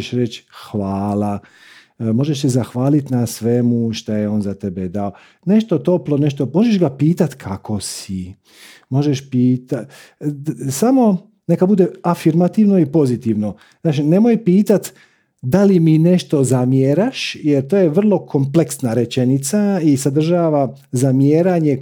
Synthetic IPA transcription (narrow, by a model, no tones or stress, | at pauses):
ʃɾet͡ʃxʋaːla | mo̞ʒeʃsezaxʋaːlit̪nasʋemuʃt̪ajeo̞ːnzat̪e̞bed̪ao̞ | ne̞ʃt̪ot̪o̞plo̞ne̞ʃt̪o̞mo̞ʒeʃɡapiːt̪at̪kʰakʰo̞si | mo̞ʒeʃpiːt̪a | samo̞ | ne̞kabud̪e̞afiɾmat̪iʋno̞ipo̞zit̪iʋno̞ | znaːt͡ʃine̞mo̞jpiːt̪at̪ | d̪alimine̞ʃt̪o̞zamjeɾaʃjeɾt̪oːjeʋr̩lˠo̞kʰo̞mple̞ksnaɾet͡ʃe̞nit̪saisad̪r̩ʒaːʋa | zamjeːɾaɲe